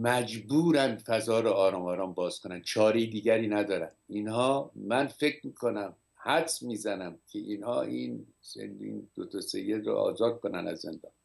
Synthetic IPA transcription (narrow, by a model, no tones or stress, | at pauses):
mæd͡ʒbuːɾænfæzɒːɾoɒːɾɒːmɒːɾɒːmbɒːz̥kʰonænt͡ʃʰɒːɾeid̪iːɟæɾiːnæd̪ɒːɾænd̪inhɒːmænfe̞cʰɾmiːkʰonæm | hæt̪smiːzænæmcʰeʔiːnhɒːʔin | sḛnḭnd̪̥ot̪ʰɒsejːed̪ɾɔ̰ʔɒ̰ːzɒːd̪̥̚kʰonæ̰næ̰zːḛnd̪ɒ̰ːn